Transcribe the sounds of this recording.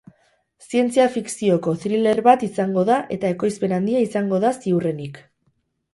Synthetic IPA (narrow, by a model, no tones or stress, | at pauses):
sie̞nt͡siafiksio̞ko̞t̪ɾile̞ɾβat̪isaŋɡo̞ðaʔe̞t̪ae̞ko̞jspe̞nand̪iaisaŋɡo̞ðasiure̞nik